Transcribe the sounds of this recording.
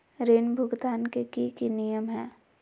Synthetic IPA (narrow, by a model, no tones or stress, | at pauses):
ɾeːnbʱʊɡd̪aːnkekikinijəmɦɛː